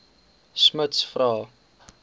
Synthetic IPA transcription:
smətsfrɑː

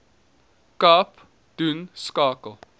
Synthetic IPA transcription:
kap | d̪̥ʉnskaːkəlˠ

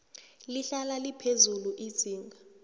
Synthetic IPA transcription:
liɬalalipʰezuluʔi̥z̥ʰʱiːŋɡʱa

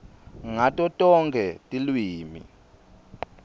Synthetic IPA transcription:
ŋatʼɔtʼɔŋɡʱɛtʼilwiːmḭ

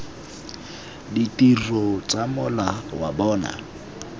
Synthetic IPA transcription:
ditʼirɔt͡sʼamʊlawa̰bɔːna̰

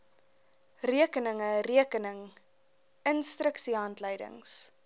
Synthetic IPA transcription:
riəkənəŋəriəkənəŋ | ənstrəksiɦɑntləjdə̰ŋs

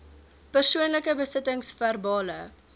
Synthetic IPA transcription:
pərsuənləkəbəsətəŋsfærbɑːlə

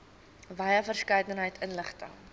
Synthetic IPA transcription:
vɐjəfərskɐjdənɦəjtʰənləχtə̰ŋ

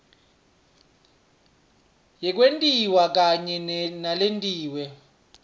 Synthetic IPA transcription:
jɛk̬ʼwentʼiwak̬ʼaɲɛnnalentʼiːwɛ

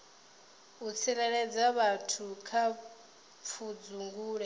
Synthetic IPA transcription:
ut͡sʰiɾɛɺɛd͡zaβatʰukʰa | p̪fʰud͡zuŋɡuːɺɛ

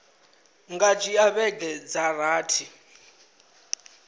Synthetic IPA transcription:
ŋɡat͡ʃʼiaβɛɡɛd͡zaraːtʰi

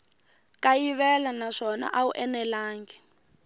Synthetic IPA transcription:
kajiβɛlanaʂɔna̰ʔaṵʔɛnɛlaːŋɡɛ

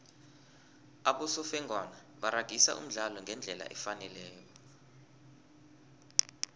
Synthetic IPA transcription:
aɓusɔfɛŋʱwana | ɓaɾaɡ̥ʱisa̰ʔṵm̩ɮalɔŋɡʱɛnd͡ɮʱɛla̰ʔɛfanɛlɛːjɔ

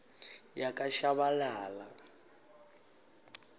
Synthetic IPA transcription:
jakʼaʃaβalaːla

